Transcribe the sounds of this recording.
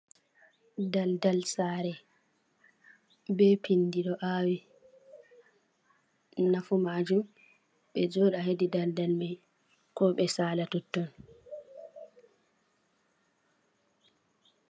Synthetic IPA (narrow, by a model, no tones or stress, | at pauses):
daldalsaɾɛ | bɛpinːdiɗɔʔawi | nafumad͡ʒum | ɓɛd͡ʒɔːɗaɦedidaldalmaj | kɔɓɛsaːlatɔtːɔn